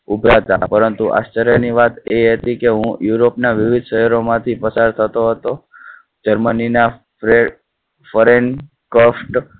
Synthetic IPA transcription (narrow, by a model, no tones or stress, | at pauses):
ubɾat̪a̰pəɾənt̪uʔa̰st͡ʃəɾjəniʋat̪eɦət̪ikeɦũjuɾopnaʋɪʋid̪ʱʃəɦəɾomãt̪ʰipəsaɾt̪ʰət̪oɦət̪o | d͡ʒəɾmənina | fəɾeɳ | kofʈ